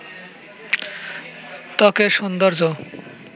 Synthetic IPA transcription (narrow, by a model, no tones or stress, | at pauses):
t̪ɔkeʃond̪oɾd͡ʑo